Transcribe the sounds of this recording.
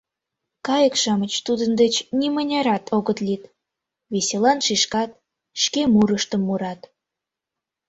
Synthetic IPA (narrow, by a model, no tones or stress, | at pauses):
kɑjəkʃɑmət͡ɕt̪ud̪ənd̪et͡ɕnimənʲɑɾɑt̪ʰoɣət̪lit̪ | βeselɑnʃiʃkɑt̪̚ | ʃkemuɾəʃt̪əmːuɾɑt̪